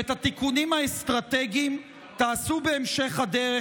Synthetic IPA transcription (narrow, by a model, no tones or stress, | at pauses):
et̪hat̪ikunimhaest̪ʁat̪eɡiim | t̪aːsube̞ːmʃe̞χhad̪eʁe